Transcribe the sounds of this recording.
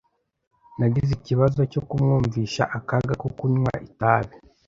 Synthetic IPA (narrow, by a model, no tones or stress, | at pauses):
naɡiziciβazo̞co̞kumŋuːɱviʃaʔakaɡakukuɲwa̰ʔitaβe